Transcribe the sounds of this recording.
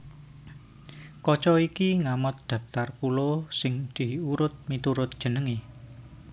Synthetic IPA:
kɔt͡ʃɔikiŋamʊt̪̚d̪̥ä̤pt̪arkulosɪŋd̪̥i̤huɾʊt̪̚mit̪uɾʊt̪̚d̥ʒ̥ə̤nəŋe

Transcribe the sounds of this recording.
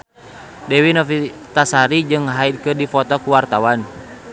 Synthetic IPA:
dɛwinɔfit̪asaɾid͡ʒɨŋɦaid̪̚kɨrdifɔt̪ɔkuwart̪awan

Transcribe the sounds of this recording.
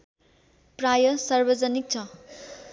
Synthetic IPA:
prajʌsʌrbʌd͡zʌnik̚t͡sʰʌ

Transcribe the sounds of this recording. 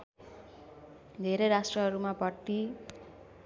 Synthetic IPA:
d̪ʱeɾejɾasʈrʌɦʌɾumabʌʈːi

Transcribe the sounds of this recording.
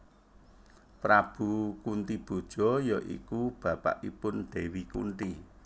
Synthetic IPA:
pɾab̥ṳkunt̪ib̥o̤d̥ʒ̥ɔ̤jɔʔḭkub̥ä̤pa̰ʔipʊnd̪̥e̤wikṵnt̪i

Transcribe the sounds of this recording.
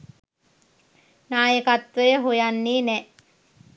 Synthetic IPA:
naːjəkat̪ʋəjəɦojanːiːnɛ

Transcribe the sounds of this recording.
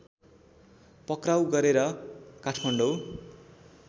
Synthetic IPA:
pʌkrawɡʌɾeɾʌkaʈʰmʌɳɖow

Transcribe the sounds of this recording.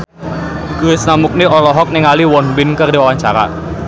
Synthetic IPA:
kəɪsnamuk̚niɔlɔɦɔk̚nɛŋaliwɔnbɪnkərdiwawaɲt͡ʃaɾa̰

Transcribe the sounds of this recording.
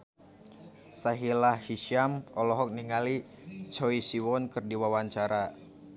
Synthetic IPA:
saɦilahhiʃamɔlɔɦɔk̚niŋali | t͡ʃɔisiwɔnkɨrdiwawaɲt͡ʃaɾa

